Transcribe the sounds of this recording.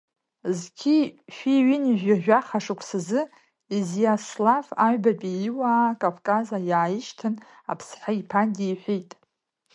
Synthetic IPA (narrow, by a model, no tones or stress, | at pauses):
zɡʲʰiʃᶣiɥiniʒʷᶣaʒᶣaχaʂɨkʷʰsɨzɨ | izjaslafaɥbapʼiːwaːkʼavkʼazajaːjɪʃtʰɨn | a̰pʰsħaipʰandʲejħʷijtʼ